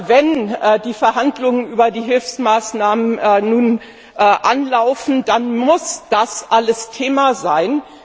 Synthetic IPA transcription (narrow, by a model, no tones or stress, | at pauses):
vɛnɛːdiːfɛɐɦandlʊŋənʔyːbɐdiːɦɪlfsmaːsnaːmənːnuːn | ʔʔanlaʊfn̩d̥anmʊsd̥asʔaləstʰeːmazaɪn